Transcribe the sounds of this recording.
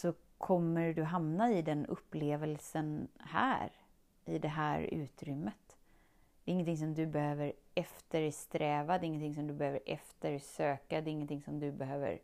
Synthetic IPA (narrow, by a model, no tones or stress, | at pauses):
sɔ | kʰɔmːəɾɖɵɦamnaɪd̪ɛnɵ̰pːleːvəlsənhæ̰ːɾ | ɪd̪ɛɦæːɾʉ̟̰ːt̪ɾʏmːət̪ | dd̪ɛɾɪŋːənt̪ʰɪŋs̬ɔmd̪ɵbɛhøːvəɾɛft̪əɾst̪ɾɛːvad̪ɛɾɪŋːənt̪ɪŋs̬ɔmd̪ɵbɛhøːvəɾʔɛ̰ft̪əɾsøːkad̪ɛɾɪŋːənt̪ʰɪŋsɔmd̪ɵbɛɦøːvə̰ɾ